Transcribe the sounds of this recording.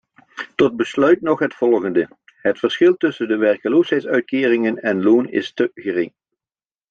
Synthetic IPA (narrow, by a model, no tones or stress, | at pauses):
tɔd̚bəslœɥtnɔχɦətfɔlˠχəndə | ɦətfəɹsχɪlˠtɵsəndəʋɛɹkəloːsɦɛjtsœɥt̚kɪːrɪŋənɛnloːnɪ̰stəχərɪŋ